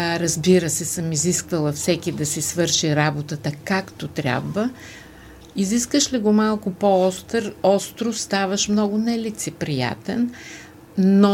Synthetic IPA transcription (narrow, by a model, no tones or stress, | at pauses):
ɾɐzbiɾəsɛsəmiziskvəlˠəfsɛkʲid̪ɐsisvɤɾʃiɾabot̪ət̪əkakt̪ot̪ɾʲja̰bvə | iziskəʃliɡomalˠkʊpoɔst̪ɾɔst̪ɾost̪avəʃmnɔɡʊnɛlit̪sɛpɾija̰t̪ɛ̰nː | o